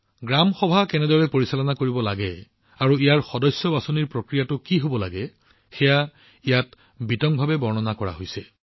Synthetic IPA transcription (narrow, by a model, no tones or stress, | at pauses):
ɡɹamxɔbʱakɛnɛdɔɹɛpoɹisalɔnakoɹibɔlaɡɛ | aɹuijaɹxɔdɔjsjɔbasoniɹpɹokɹijatʊkiɦobɔlaɡɛ | xɛja | ijat | bitɔŋbʱabɛbɔɹnɔnakɔɹa̰ɦojsɛ